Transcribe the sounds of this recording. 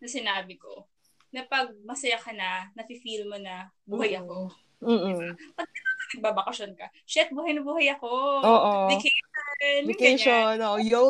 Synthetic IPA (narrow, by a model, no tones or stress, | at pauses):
nɐsɪnaːbɪko̞ | nɐpɐɡ̚mɐsɐjakɐnɐnɐfɪfilmonɐbuːhɐjɐko̞ | m̩ːɪbapɐɡ̚mɐt̪okɐnɐɡ̚baːbɐkɐʃonkɐ | ʃɛt̪̚buːhɐjnɐbuːhɐjɐko̞oʔovɪkejʃonvɪkeʃonoʔojɡo